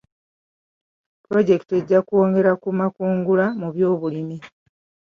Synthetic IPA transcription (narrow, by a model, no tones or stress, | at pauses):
pɾo̞ɟe̞kte̞ɟːakuwo̞ːŋɡe̞ɾakumakuːŋɡulamuβjo̞ːβulimi